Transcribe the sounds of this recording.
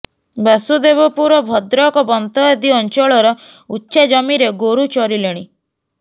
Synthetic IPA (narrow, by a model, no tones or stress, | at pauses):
basud̪ebɔpuɾɔbʱɔd̪ɾɔkɔbɔnt̪ɔɔd̪iɔnt͡ʃɔɭɔɾɔ | utːʃed͡ʒɔmiɾeɡoɾut͡ʃɔɾileɽ̃i